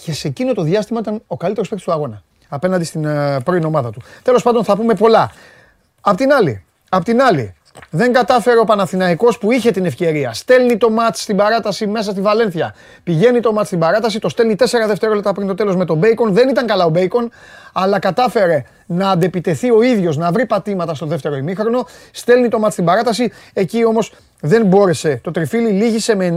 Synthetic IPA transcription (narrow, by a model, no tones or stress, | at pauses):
ce̞se̞cino̞t̪o̞ðjɐst̪imɐit̪ɐno̞kɐlit̪e̞ɾospet̪o̥st̪uɐɣo̞nɐː | pe̞nɐnd̪ist̪inpɾo̞t̪ino̞mɐðɐt̪ut̪e̞lo̞spɐnd̪onθɐpume̞po̞lɐ | ɐpot̪inɐlḭ | ɐpo̞t̪inɐlḭ | ðe̞ŋɡɐt̪ɐfe̞ɾeo̞pɐnɐθinɐiko̞spuiçe̞t̪ine̞fce̞ɾiɐst̪e̞lnit̪o̞mɐt͡sst̪ibɐɾɐt̪ɐsime̞s̬ɐst̪ivɐle̞nθçɐ | piʝe̞nit̪o̞mɐt͡sst̪ibɐɾɐt̪ɐsit̪o̞st̪elnit̪e̞se̞ɾɐðe̞ft̪e̞ɾo̞le̞p̚t̪ɐpɾint̪ot̪e̞lo̞zme̞t̪o̞be̞iko̞nðe̞nit̪ɐŋkɐlɐo̞be̞iko̞nɐlɐkɐt̪ɐfe̞ɾe̞ | nɐːnd̪e̞pit̪e̞θio̞iðʝo̞znɐvɾipɐt̪imɐt̪ɐst̪o̞ðe̞ft̪e̞ɾo̞imixɾo̞no̞st̪e̞lnit̪o̞mɐt̪st̪imbɐɾɐt̪ɐsie̞cio̞mo̞s | ðe̞nbo̞ɾe̞se̞t̪o̞t̪ɾifililiʝise̞me̞n